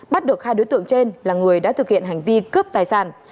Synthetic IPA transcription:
ɓa˦˥t̚ɗə˨˩t̚xaː˧jɗo˨˦jt̪ɨ̰˧˨əŋt͡ɕe˧nlaː˨˩ŋɨ˨˩əjɗa̰ː˧˥t̪ʰɨ˨˩k̚hḭ˧˨ənɦa˨˩ŋ̟vi˧kəː˦˥p̚t̪aː˨˩jsaː˧˩n

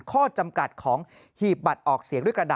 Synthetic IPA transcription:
kʰɔː˥˩t͡ɕa˧mka˨˩t̪̚kʰɔː˩˦ŋ | hiː˨˩p̚ba˨˩t̪̚ʔɔː˨˩k̚si˨˩˦ŋdu˥˩kɾa˧daː˨

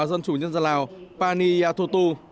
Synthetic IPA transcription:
zə˧nt͡ɕu˧˩ɲə˧nza˧˨˩laː˨˩wpaː˧ni˧jaː˧t̪ʰu˧t̪u˧

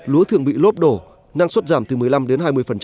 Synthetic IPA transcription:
lu˨˦ət̪ʰɨ˧˩əŋɓḭ˧˨lo˦˥p̚ɗo˧˩ | na˧ŋswə˦˥t̚zaː˧˩mt̪ɨ˨˩mɨ˨˩əjla˧mɗe˨˦nɦaː˧jmɨ˧əjfə˨˩nt͡ɕ

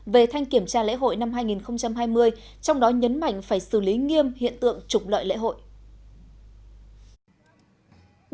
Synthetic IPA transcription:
ve˨˩t̪ʰa˧jŋ̟ki˧˩əmt͡ɕaː˧lḛ˧˥ɦo̰˧˨jna˧mɦaː˧jŋi˨˩nxə˧wŋ͡mt͡ɕa˧mɦaː˧jmɨ˧əj | t͡ɕɔ˧wŋ͡mɗɔ˨˦ɲə˨˦nma̰˧˨jŋ̟faː˧˩jsɨ˧˩li˨˦ŋi˧əmhḭ˧˨ənt̪ɨ̰˧˨əŋt͡ɕʊ˨˩k͡p̚lə̰ː˧˨jlḛ˧˥ɦo̰˧˨jʔ

